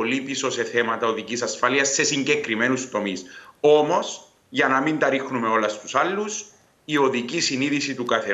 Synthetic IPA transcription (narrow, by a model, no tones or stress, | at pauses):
olipiso̞se̞θe̞mɐt̪ɐoðicisɐsfɐliɐsːe̞siɲɟe̞kɾime̞nust̪o̞miso̞mo̞s | ʝɐnɐmint̪ɐɾixnume̞o̞lɐst̪usɐlːus | io̞ðicisiniðisit̪ukɐθe